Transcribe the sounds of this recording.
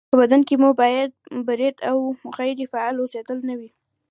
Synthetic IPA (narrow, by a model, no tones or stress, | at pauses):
pəbad̪ankemubɑjad̪̚baɾet̪awmʊɣajɪɾifaalwoset̪əlnawi